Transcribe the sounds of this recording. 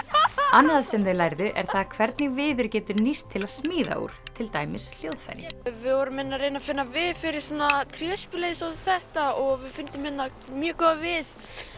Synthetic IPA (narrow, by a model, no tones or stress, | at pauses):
anːaðasɛmðɪlaːjɾðʏʔɛ̰ɾ̥θaðkʰvɛɾt̪nɪvɪːðʏɾcɛːt̪ʏɾnist̪ʰːɪlaðsmiːða̰ṵːɾ̥t̪ʰɪlt̪aːjmɪsl̥joːwðfa̰jɾɪvɪðvɔɾʏmɪnːaɾejnafɪnːavɪðfɪɾɪɾ̥sɔnat̪ʰɾjɛspɪlejsawθɛht̪aɔɣvɪðfɪnt̪ɪmːɪnːa | mjɛːkɔvɪð